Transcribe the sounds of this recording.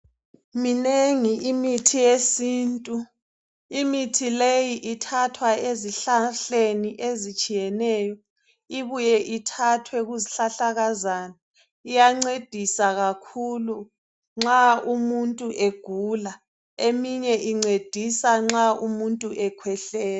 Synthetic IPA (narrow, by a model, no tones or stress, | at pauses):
mineŋiʔimitʰijesiːntʼu | imitʰilejiʔitʰatʰwaeziɬaɬeniʔezit͡ʃʼijɛnɛːjɔ | iβujɛʔitʰatʰwɛɣuziɬaɬaɣazaːna | ijaŋ͡ǀed̥ʱisaɣakʰulu | ŋ͡ǁaumuntʼuʔeɡ̥ʱula | emiɲɛʔiŋ͡ǀed̥ʱisaŋ͡ǁaʔumuntʼuʔɛkʰwɛɬɛːlɛ